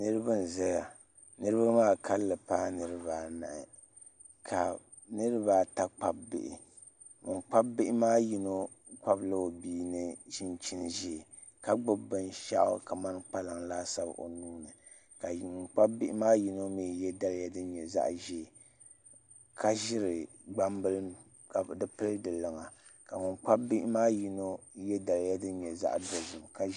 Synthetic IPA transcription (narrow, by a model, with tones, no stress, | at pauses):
nɨ˦ɾɨ˦bɨ˦n̩˨zɛ˦ja˨ | nɨ˦ɾɨ˦ba˦maː˦˨kʰa˦lːɨ˨paː˦nɨ˦ɾɨ˦baː˨na̰˨ʔɪ˨ | kʰa˨ | nɨ˦ɾɨ˦baː˨˦ta˦k͡pa˦bbɪ̰˨ʔɪ̰˨ | ŋk͡pa˦bbɪ˦ʔɪ˦maː˦ji˦no˦ | k͡pa˦bla˦o˨biː˦nɨ˦ʃi˦nt͡ʃi˦nʒi˦˨ | ka˦ɡ͡bʊ˦bɨ˦nʃa̰˦ʔka˨ma˦n˦k͡pa˦la˨ŋlaː˦sa˦b̰ʔo̰˨nuː˦nɨ˨ | ka˨ŋk͡pa˦bbɪ˦ʔɪ˦maː˦ji˦no˦mi˦˨jɛ˦da˦lja˦dɨ˦ɲɛ˨za̰˦ʔʒi˨ | kʰa˦ʒɪ˦ɾɨ˨ | ɡ͡ba˦mbɨ˦l | ka˨dɨ˦pɨ˦ldɨ˨lɨ˨ŋa˨ | ka˨mʊ˨nk͡pa˦bbi˦ʔmaː˦ji˦no˦jɛ˦da˨lja˦dɨ˦ɲɛ˨za̰˦ʔdo˨zɨ˨mka˦